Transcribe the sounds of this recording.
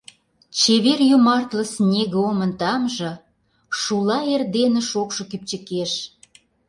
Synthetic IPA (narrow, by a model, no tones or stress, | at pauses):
t͡ɕeβerjumɑrt̪lə̆snʲeɣeomə̆nt̪ɑmʒɤ̆ | ʃulɑerd̪enə̆ʃokʃŏkyp̚t͡ɕə̆keʃ